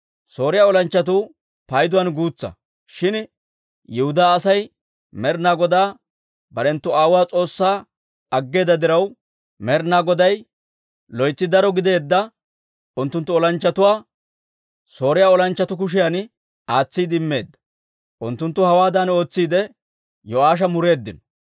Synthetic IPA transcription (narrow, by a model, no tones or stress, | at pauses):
so̞ːɾɪjaːɔlɐnt͡ʃːɐt̪̬u | pɐjd̪ʊwɐnɡuːt͡sːɐ̰ | ʃɪn | jɪhʊd̪aːsɐj | mɛɾnaːɡɔd̪aː | bɐɾɛnt̪ːʊaːwaːt͡sʼo̞ːsːaː | ɐɡːe̞ːd̪ɐd̪ɪɾɐw | mɛɾnaːɡɔd̪ɐj | lɔjt͡sːɪd̪ɐɾɔɡɪd̪e̞ːd̪ːɐ | ʊnt̪ːʊnt̪ːʊɔlɐnt͡ʃːɐt̪ʊwaː | so̞ːɾɪjaːɔlɐnt͡ʃːɐt̪ʊk̬ʊʃ̬ɪjan | ʔaːt͡sːiːd̪ɪmːe̞ːd̪ːɐ̥ | ʔʊnt̪ːʊnt̪ːʊhɐwaːd̪ano̞ːt͡sːiːd̪ɛ | jɔaːʃ̬ɐmʊɾe̞ːd̪ːɪn